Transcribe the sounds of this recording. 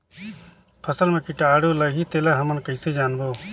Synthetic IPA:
pʰəsəlmẽːkiʈaːɽoːlɐɡiːt̪eːlaːɦɐmənkəiseːd͡ʒaːnboː

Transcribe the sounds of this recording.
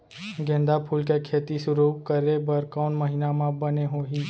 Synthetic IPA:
ɡẽːnd̪apʰuːlkekʰeːt̪isʊɾuːp̚kəɾebəɾkɔːnməɦɪnamãbəneɦoːɦiː

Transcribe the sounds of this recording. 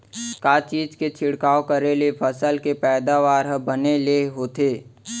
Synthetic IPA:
kaːt͡ʃiːd͡ʒket͡ʃʰɪɽkaːokəɾelepʰəsəlkepɛːd̪aʋaːɾɦəbəneleɦoːt̪eː

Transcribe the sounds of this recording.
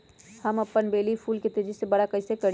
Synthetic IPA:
həmɐpːənbeːlipʰuːlket̪ed͡ʒisebɐɽakɐɪsekəɽ

